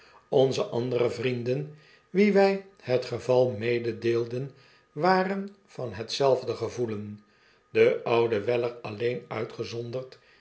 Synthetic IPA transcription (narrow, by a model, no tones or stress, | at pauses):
ɔnzəʔɑndərəvrindən | ʋiʋɛjhətχəvɑlˠmejdədeːlˠdən | ʋaːrən | v̥ɑnɦətsɛlˠvdəχəvulən | dəʌwdəʋɛlərɑlejnœɥtχəzɔndərt